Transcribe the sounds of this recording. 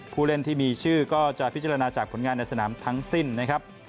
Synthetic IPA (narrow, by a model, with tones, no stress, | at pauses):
pʰuː˥˩le˦˥˩nt̪ʰiː˥˩miː˧t͡ɕʰɯː˥˩kɔː˥˩t͡ɕa˨˩ʔpʰi˦˥t͡ɕa˧ɾa˧naː˧t͡ɕaː˨˩k̚pʰo˩˦nŋaː˧nːa˧jsa˧naː˩˦mt̪ʰa˦˥ŋsi˥˩nːa˦˥kʰɾa˦˥p̚